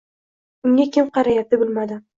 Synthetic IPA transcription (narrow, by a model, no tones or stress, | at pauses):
ʊŋʲakʲɪmqɑɾajat̪̚ːɪbɪlmad̪ɪ